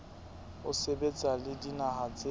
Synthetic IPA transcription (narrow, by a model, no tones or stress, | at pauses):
ʊsebet͡sʼalɪdinahat͡sʼe